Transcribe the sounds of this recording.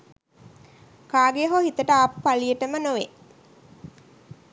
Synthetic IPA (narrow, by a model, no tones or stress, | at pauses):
kaːɡeɦohit̪əʈəaːppalijəʈəmənoʋe